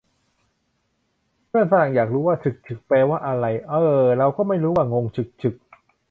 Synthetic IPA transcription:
mɯ˥˩əŋsa˧ɾa˨˩ŋjaː˨˩k̚ɾuː˦˥waː˥˩sɯ˨˩k̚t͡ɕʰɯ˨˩k̚pɛː˧waː˥˩ʔa˧ɾa˧jʔɤː˧˩ɾa˧wkɔː˥˩ma˥˩jɾuː˦˥waː˥˩ŋo˧ŋt͡ɕʰɯ˨˩k̚t͡ɕʰɯ˨˩k̚

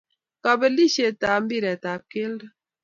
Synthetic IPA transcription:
ka˨be˨li˦ʃe˨ta˨m̩˦bi˦˨ɾe˨ta˨p̚ke˦ld

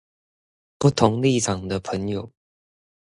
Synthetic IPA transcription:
pu˥˩t̪ʰʊ˧˥ŋli˥˩ʈ͡ʂʰɑ˨˩ŋd̪ə˦pʰə˧˥ŋjo˨˩ʊ

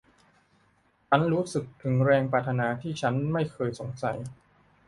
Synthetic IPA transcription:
t͡ɕʰa˦˥nɾuː˦˥sɯ˨˩k̚t̪ʰɯ˨˩˦ŋɾɛː˧ŋpaː˧˩t̪ʰa˧naː˧t̪ʰiː˥˩t͡ɕʰa˦˥nma˥˩jkʰɤː˧jso˩˦ŋsa̰˩j

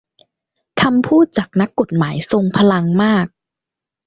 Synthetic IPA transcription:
kʰa˧mpʰuː˥˩t̪̚t͡ɕaː˨˩k̚na˦˥kːo˨˩t̪̚maː˩˦jso˧ŋpʰa˧la˧ŋmaː˥˩k̚

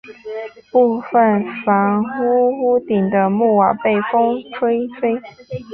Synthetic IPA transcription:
pu˥˧fə˥˨nfa˨˥˦ŋxu˦˥hu˥t̪i˨˩ŋd̪ə˦mu˥˩wa˨˩pe˥˨˩ɪfo˥ŋʈ͡ʂʰwe˥ɪfe˥ɪ

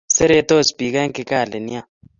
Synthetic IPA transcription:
se˦ɾe˦t̪o˦˨sbi˨ka˦ŋki˨ka˦˨le˨ni˦a˦˨

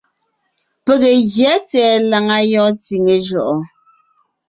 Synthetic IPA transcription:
pe˨ɣe˨ɣjɛ˨˦tɛː˨˦la˨ŋa˦jɔ̃˦ti˨ŋe˨ʒɔ˨ʔɔ˨

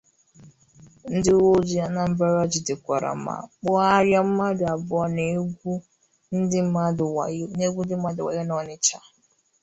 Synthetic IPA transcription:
n̩˦dɪ˦u˦wo˦d͡ʒi˦a˦na˨m̩˦ba˦ɾa˦d͡ʒɪ˨dɪ˨kʷa˨ɾa̰˨m̩˦ma̰˨k͡pʊ˦a˦ɾja˦m̩˦ma˦dʊ˨a˨bʊ˦ɔ˦ne˨ɡʷu˦ | n̩˦dɪ˦a˦dne˦ɡʷu˦n̩˦ɪ˦m̩˦a˦dʊ˨wa̰˨ja˦nɔ˨nɪ˦t͡ʃa˦

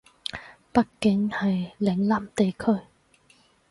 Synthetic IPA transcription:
pɐ˥t̚kɪ˨˥ŋhɐ˨jlɪ˨˥ŋlaː˨mt̪e˨jkʰɵ˥ɥ

